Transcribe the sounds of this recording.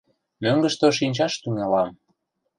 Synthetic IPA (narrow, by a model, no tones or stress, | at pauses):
møŋɡə̆ʃt̪oʃ̬inʲt͡ɕɑʃt̪yŋɑlɑm